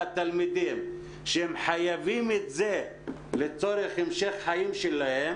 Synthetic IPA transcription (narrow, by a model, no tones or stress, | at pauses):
at̪almid̪im | ʃeemħajavimet̪ze | let͡so̞ɾeχemʃeχħajimʃelahem